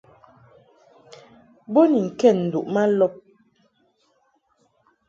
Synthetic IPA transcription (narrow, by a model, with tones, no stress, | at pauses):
bo˦ni˨ŋ̩˨kɛ˦˨n̩˨du˨ʔma˦lɔ˦p̚